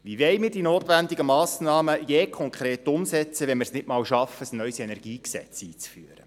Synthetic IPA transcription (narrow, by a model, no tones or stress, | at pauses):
ʋiʋɛɪmiːɾdinoːtʋændiɡəmɑːsnɑːməjeːkʰɔŋkʰχɾeːt̪ʊmsɛt͡səʋɛnmɪɾsnɪtmɑːlʃɑfəsnœʏsɛnɛrɡ̥iːksɛ̰t͡siːt͡sfyəɾə̰